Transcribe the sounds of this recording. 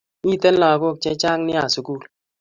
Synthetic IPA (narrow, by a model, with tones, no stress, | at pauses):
i˦˨te˦n̩˦lɔ˨a˨ko˦˨k̚t͡ʃɛ˦t͡ʃa˦ŋnɪ˦a˨su˦ku˦˨l